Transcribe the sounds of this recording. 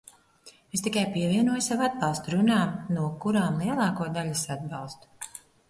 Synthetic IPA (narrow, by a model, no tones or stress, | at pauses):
est̪ikajpiɛviɛnuɔjusavuad̪̚bɑlˠst̪uɾunaːnuɔkuɾaːmlˠiɛlˠɑːkuɔd̪alʲisad̪̚bɑlˠst̪u̥